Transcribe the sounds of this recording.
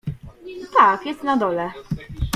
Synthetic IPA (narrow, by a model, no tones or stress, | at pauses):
t̪akjɛst̪nad̪ɔlɛ